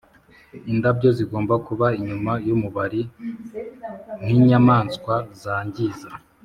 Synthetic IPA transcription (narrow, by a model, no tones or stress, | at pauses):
indabɟo̞ziɡo̞ːmbakuβaiɲumajomuβaɾi | n̥iɲamaːnskwazaːɲɟiza